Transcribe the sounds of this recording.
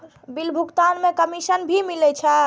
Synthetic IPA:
bilbʱukt̪anmẽkəmisənbʱimilɛt͡ʃʰɛ

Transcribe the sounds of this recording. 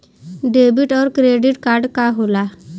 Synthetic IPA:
ɖebiʈɔɾkɾeɖiʈkaɾɖkaɦola

